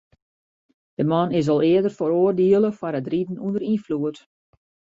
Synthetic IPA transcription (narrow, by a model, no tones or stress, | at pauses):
d̥əmɑnɪs̬ɔlˠɪədərfoɾoərdiəlˠəfaɾətridn̩undəɾinfluət